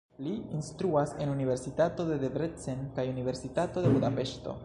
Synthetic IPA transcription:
liinst̪ɾuase̞nunive̞ɾsitat̪o̞d̪e̞d̪ebɾet͡senkajunive̞ɾsitato̞d̪e̞bud̪ape̞ʃto̞̰

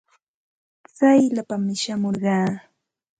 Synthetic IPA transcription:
t͡sajlapamɪʃamoɾɢɑː

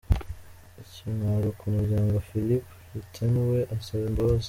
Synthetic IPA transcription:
iciŋaɾukʰumuɾɟaːŋɡafilip | itʰenweʔasaβembaβaz

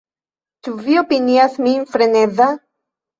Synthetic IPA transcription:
t̪uviopiniaθmiːɱfɾeneða

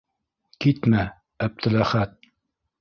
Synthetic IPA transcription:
kit̪mæ | æp̚t̪ʰɘ̆læχæt̪̚

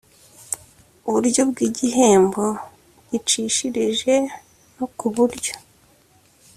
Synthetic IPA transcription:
uβuɾjo̞bɡiːɟiɦe̞ːmbo | ɟit͡ʃiːʃiɾiʒe̞ | nokuβuɾɟo̞

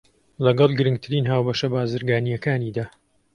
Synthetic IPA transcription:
lɐɡɐlˠɡɨɾɨŋɡ̚t̪ʰɨɾiːnɦaːwbɐʃɐbaːzɨɾɡaːnijɐkaːniːd̪aː

